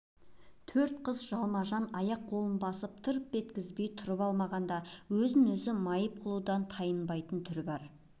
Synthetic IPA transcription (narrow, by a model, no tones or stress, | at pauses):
t̪ʰɵɾt̪qʰəzʒɑlˠmɑʒɑnɑjɑq̚bo̞lˠənbɑsəp̚t̪ʰəɾp̚be̞t̪kʲɪzbe̞jt̪ʰʊɾəpɑlˠmɑʁɑnd̪ɑwɵzɪnʏzɪmɑjəp̚qʰəlˠud̪ɑnt̪ʰɑjənbɑjt̪ənt̪ʰʏɾbɑɾ